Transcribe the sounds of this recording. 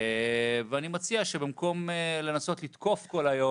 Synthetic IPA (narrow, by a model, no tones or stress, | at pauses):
veanimat͡siaʃebimko̞mle̞naso̞t̪lit̪ko̞fko̞lajo